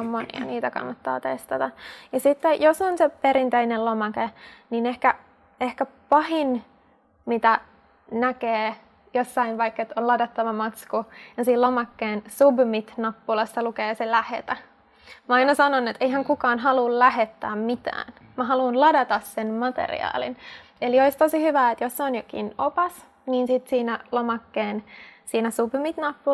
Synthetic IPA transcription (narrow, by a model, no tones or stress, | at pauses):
mmonḭɑ̰niːt̪ækɑ̰nːɑt̪ːɑ̰ːt̪est̪ɑt̪ɑjɑsit̪ːejosonsepeɾint̪einelomɑkeninehkæ | ehkæpɑhin | mit̪æ | nækeː | josːɑinʋɑikːet̪onlɑdɑt̪ːɑʋɑmɑt̪skujɑsiːlomɑkːeːnsubmit̪nɑpːulɑst̪ɑlukeːselæhḛt̪æ | mæɑinɑsɑnonet̪eiɦæŋkukɑːnɦɑlullæhet̪ːæːmmit̪æ̰ːn | mæɦɑluːnlɑdɑt̪ɑssenmɑt̪ḛrḭɑ̰ːlḭnelioist̪osihyʋæːet̪josseonjokḭnopɑs | niːnsit̪siːnælomɑkːeːnsiːnæsubmit̪nɑpːu